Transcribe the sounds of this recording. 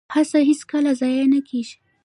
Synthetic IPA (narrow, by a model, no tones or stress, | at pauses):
hasahiskəlazɑjanakʰeʒi̥